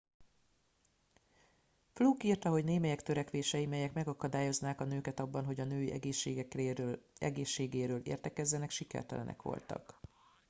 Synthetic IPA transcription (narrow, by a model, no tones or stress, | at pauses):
fluːkirt̪ɒɦo̞ɟneːmɛjɛkt̪øɾɛkʋeːʃɛjimɛjɛkmɛɡɒkɒd̪aːjo̞znaːkɒnøːkɛt̪ɒbːɒnɦo̞ɟɒnøːiʔɛ̰ɡeːʃːḛːɡɛk | ɛ̰ɡeːʃːeːɡeːɾøːlḛːrt̪ɛkɛzːɛnɛkʃikɛ̰rt̪ɛ̰lɛ̰nɛ̰kʋo̞̰lt̪ɒ̰k